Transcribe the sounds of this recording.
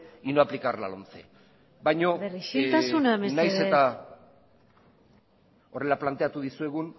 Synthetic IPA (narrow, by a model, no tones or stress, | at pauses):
inoaplikarla̰lont͡sḛ | bajɲo̞t̪asunamesnajse̞t̪a | o̞re̞laplant̪eat̪uðisue̞ɣun